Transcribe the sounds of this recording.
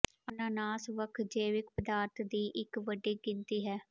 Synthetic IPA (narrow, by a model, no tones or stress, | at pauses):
ənaːnaːsʋəkʰd͡ʒeːʋɪk̚pəd̪aːɾt̪ʰd̪iːʔɪkʋəɖiːɡɪnt̪iːɦɛː